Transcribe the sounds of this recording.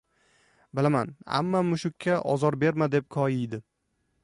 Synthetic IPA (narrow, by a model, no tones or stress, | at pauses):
bɪlamana̰mːamʊʃʊkʲʰːaʔɒ̰zɒɾbe̞ɾmad̪e̞p̚kʰɒjɪjd̪ɪ